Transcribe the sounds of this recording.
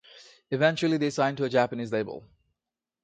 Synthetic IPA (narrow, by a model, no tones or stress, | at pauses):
ɨvɛ̃nt͡ʃul̩ˠiðeɪsãɪ̃ntəəd͡ʒæpəniːzleɪbə̰l̩ˠ